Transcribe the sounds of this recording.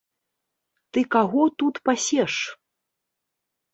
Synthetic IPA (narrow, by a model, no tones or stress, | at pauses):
t̪ɨkaɣɔt̪ut̪pasʲɛʂ